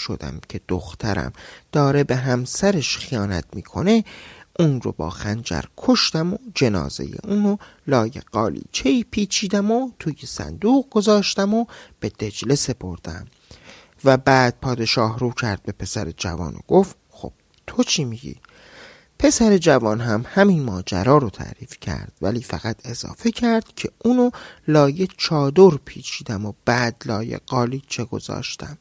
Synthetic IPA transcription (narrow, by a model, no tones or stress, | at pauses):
ʃo̞̰d̪æ̰mcʰe̞d̪̥o̰xt̪ʰæɾæ̰md̪̥ɒːɾe̞be̞ɦæmsæɾeʃxijɒːnæ̰t̪ʰmiːkʰo̞ne̞ʔuːnro̰bɒ̰ːxænd͡ʒæ̰ɾkʰo̞ʃt̪æmod͡ʒe̞nɒ̰ːze̞̰jḛʔuːno | lɒːjḛɢ̥ɒːlḭːt͡ʃʰeiːpʰiːt͡ʃʰiːd̪æmot̪ʰuːjesæ̰nd̪uːɣ̚ɡo̞zɒːʃt̪æmob̥e̞d̪̥e̞d͡ʒle̞se̞pʰo̞ɾd̪̥æ̰m | væbæːd̪̥̚pʰɒːd̪e̞ʃɒːhruːcʰæɾd̪̚be̞pʰe̞sæɾed͡ʒæ̰vɒ̰ːno̰ɡ̥o̞ft̪ | xo̰b̥ | t̪ʰot͡ʃʰimiɟḭː | pʰe̞sæɾe̞d͡ʒævɒːnɦæmhæminmɒːd͡ʒæ̰ɾɒːɾot̪ʰæ̰ɾiːfcʰæ̰ɾd̪̥væliːfæɣ̥æt̪ʰe̞zɒ̰ːfe̞cʰæɾd̪̥cʰe̞uːnolɒːje̞t͡ʃʰɒːd̪oɾpʰiːt͡ʃʰiːd̪æmob̥æd̪lɒːjḛɢ̥ɒːlit͡ʃʰe̞ɡo̞̰zɒ̰ːʃt̪æ̰m